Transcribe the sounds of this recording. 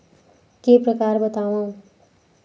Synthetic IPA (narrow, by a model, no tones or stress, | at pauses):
keprʌkarbʌt̪aw̃õ